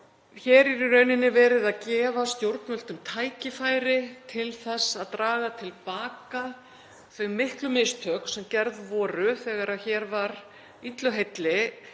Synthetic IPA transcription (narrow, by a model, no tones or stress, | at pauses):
çɛːɾiɾɾœɥnɪnːɪvɛːɾɪðaðcɛːvast̪jowɾt̪nmœl̥t̪ʏmt̪ʰaːjcɪfaːjɾɪt̪ʰɪlθɛsːaðt̪ɾaːɣat̪ʰɪlpaːka | θvœmmːɪhklʏmest̪ʰœksɛmcɛɾðvɔːɾʏθɛɣaɾaçɛːɾvaɾ | it̪lœɦejt̪lɪ